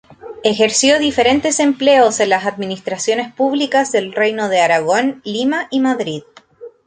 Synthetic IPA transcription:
exe̞ɾsjo̞ðife̞ɾe̞nt̪e̞se̞mple̞ose̞nlasaðminist̪ɾasjo̞ne̞spuβlikazðe̞lrejno̞ðeaɾaɣo̞nlimaʔimaðɾið

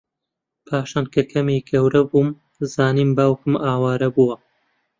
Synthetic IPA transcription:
pʰaːʃaːnkʰɐkʰɐmiːɡɐwɾɐbuːm | zaːniːmbaːwkɨmʔaːwaːɾɐbuwɐ

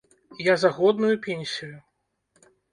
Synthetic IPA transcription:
jazaɣɔd̪̚nujupʲɛnʲsʲiju

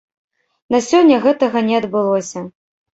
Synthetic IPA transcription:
nɐsʲɔnʲːɐɣɛt̪ɐɣɐnʲɛɐd̪bɨlˠɔsʲɐ

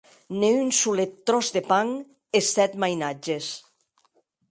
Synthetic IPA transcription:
neynsulet̪ːɾɔzðepaŋ | esɛt̪majnad͡ʒes

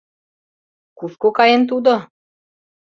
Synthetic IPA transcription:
kuskokɑjent̪ud̪o

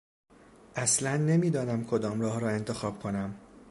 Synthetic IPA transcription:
ʔæslænːe̞miːd̪ɒːnæmkʰo̞d̪ɒːmɾɒːhɾɒːe̞nt̪ʰe̞xɒːb̥kʰo̞næm

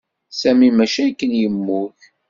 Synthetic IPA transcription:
sæmimæʃækːənjəmːʊç

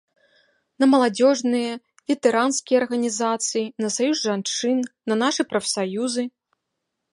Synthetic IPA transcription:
nɐmɐlˠad͡zʲɔʐnɨjɐ | vʲɛt̪ɛɾanskʲijɐrɣɐnʲizat̪sɨjinɐsajuzʐant͡ʂɨnnɐnaʂɨpɾɐfsajuzɨ

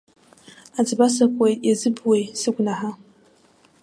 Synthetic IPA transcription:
ad͡zɨbasakʷʼejazɨbwejsɨɡʷnaħa

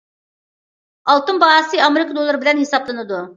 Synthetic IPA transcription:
ɑlˠt̪ɨnbɑɑsɨɑmeɾikʰəd̪olˠːɨɾɪbɪlɛnhesɑblˠɨnɨd̪u

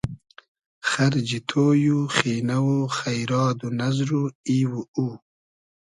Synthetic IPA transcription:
xɐɾd͡ʒit̪ʰoːjuxiːnawoxajɾɑːd̪unazɾuiwuu

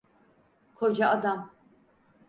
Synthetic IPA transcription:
kʰod͡ʒaːd̪am

